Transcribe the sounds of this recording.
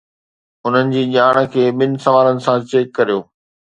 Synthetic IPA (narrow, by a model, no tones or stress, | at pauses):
ʊn̤ənɪ̆d͡ʑiːʄaːɽ̃̆kʰeːɓɪnɪ̆sɐʋaːɾənɪ̆sãt͡ɕeːkːɐɾijoː